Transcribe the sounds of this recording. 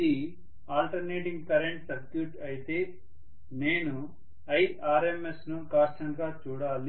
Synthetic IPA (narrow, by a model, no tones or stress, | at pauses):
i | aːlʈɐɾneːʈiŋɡkɐɾeɳʈsɐɾkjuːʈɐjit̪eː | neːnu | ɐjaːɾemesnukaːɾʈɐŋɡaːt͡ʃuːɽaːli